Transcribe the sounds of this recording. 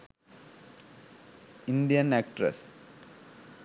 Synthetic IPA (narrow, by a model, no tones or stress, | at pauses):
ɪndijɐnæk̚ʈɾɐ̰s